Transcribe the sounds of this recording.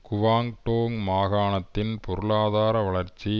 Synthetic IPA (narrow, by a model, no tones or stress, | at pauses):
kʊʋaːŋʈoːŋmaːɣaːnɐt̪ːɪnpɔɾɯɭaːðaːɾɐʋɐɭɐɾt͡ʃːi